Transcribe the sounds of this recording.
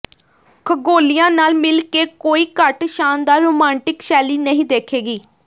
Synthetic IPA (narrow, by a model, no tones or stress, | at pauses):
kʰəɡoːlijãːnaːlmɪlkeːkoːiːkəʈʃaːnd̪aːɾoːmãːɳʈɪkʃɛːliːnəɦĩːd̪eːkʰeːɡiː